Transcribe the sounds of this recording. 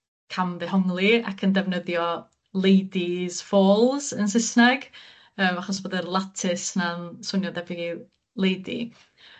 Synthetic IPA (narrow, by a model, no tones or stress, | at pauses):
kʰamðɛɦɔŋlˠia̰kʰəndɛvnəðjɔ | lˠejdiz̥foːlˠz̥ənsɪsnɛɡ̥ | əːmaχɔsboːdərlˠatʰɪsnansʊnjɔdɛvɪɡi | lˠejdḭ